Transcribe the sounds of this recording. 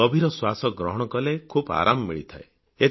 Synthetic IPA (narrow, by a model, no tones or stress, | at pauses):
ɔbʱiɾɔswasɔɡɾɔɦɔɽ̃ɔkɔlekʰuba̰ɾʔammiɭit̪ʰae | e